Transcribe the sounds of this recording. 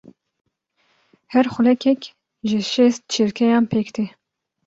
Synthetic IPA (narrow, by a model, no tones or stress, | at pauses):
hɛɾxʊlɛkʰɛk | ʒɪʃɛst̪̚t͡ʃʰiɾkʰɛjɑːnpʰeːkt̪ʰe